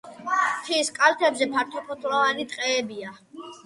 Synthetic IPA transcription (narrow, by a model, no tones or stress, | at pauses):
t̪ʰiskʼalt̪ʰɛbzɛpʰaɾt̪ʰɔpʰɔt̪ʰʼlavanit̪ʼqʼɛːbia